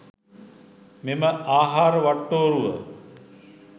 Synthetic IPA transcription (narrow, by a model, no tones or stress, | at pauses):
meməʔaːɦaːɾəʋaʈːoːɾuʋə